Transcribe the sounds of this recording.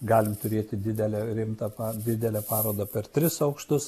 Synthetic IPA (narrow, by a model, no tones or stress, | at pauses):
ɡɑːlʲɪmt̪ʊɾʲeːt̪ʲɪd̪ʲɪd̪ʲɛlʲɛɾʲɪmt̪ɐpɑd̪ʲɪd̪ʲɛlʲɛpɑːɾoːd̪ɐpʲɛrt̪ʲɾʲɪsɒʊkʃt̪ʊs